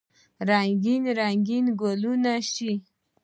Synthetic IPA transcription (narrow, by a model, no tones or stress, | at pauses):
ɾaŋɡinɾaŋɡinɡolunaʃi